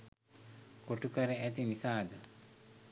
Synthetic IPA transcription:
koʈukɐɾeæt̪inisaːd̪ə

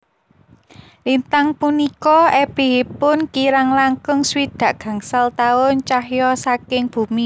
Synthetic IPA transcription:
lint̪aŋpunikɔɛb̥e̤ɦipʊnkiɾaŋlaŋkʊŋswid̪̥ä̤ʔɡ̥ä̤ŋsalt̪aʊnt͡ʃahjɔsakɪŋb̥ṳmi

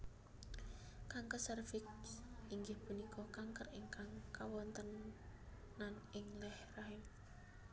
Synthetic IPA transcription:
kaŋkəsərfɪkiŋɡɪhpunikʰɔkaŋkəriŋkaŋkawɔnt̪ənː | anɪŋlɛhraɦɪm

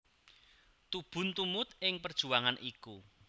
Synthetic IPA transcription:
t̪ub̥ʊ̤nt̪umʊt̪ɪŋpərd̥ʒ̥ṳaŋanʔiku

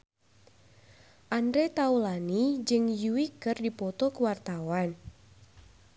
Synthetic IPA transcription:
ʔandɾet̪aulanid͡ʒɨŋjuwikɨrdipɔt̪okəwart̪awan

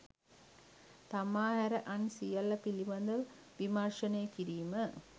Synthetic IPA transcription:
t̪amaːɦæɾəʔansijɐlːɐpiliʋɐnd̪ɐʋ | ʋimarʂɐnejːkiɾiːmə

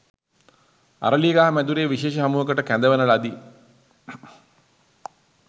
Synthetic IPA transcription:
a̰ɾəliːɡaɦɐmæd̪uɾeːʋiʃeːʃəɦamuːɦəkəʈəkænd̪əʋənəlad̪i

